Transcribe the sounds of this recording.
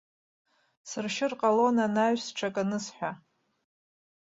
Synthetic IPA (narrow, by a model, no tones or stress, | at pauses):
sɨrʃɪrqʼalo̞nanaɥsʈ͡ʂʰakʼanɨsħʷᶣa